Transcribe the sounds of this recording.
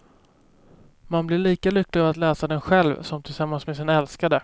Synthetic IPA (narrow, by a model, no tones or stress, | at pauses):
manblɪɭiːkalʏklɪɡavat̪lɛːsad̪ɛnɧɛlvsɔmt̪ʰɪlsamːansmesɪnɛlskad̪ə